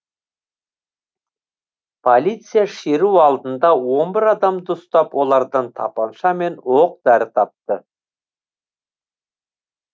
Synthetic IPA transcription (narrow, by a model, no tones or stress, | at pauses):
pʰolʲˠijt̪sɨjaʃeɾuɑlˠd̪ənd̪ɑwo̞nbɪɾɑd̪ɑmd̪əst̪ɑpwo̞lˠɑɾd̪ɑnt̪ʰɑ̰pɑnʃɑme̞nwo̞q̚d̪̥æɾɪt̪ʰɑp̚t̪ə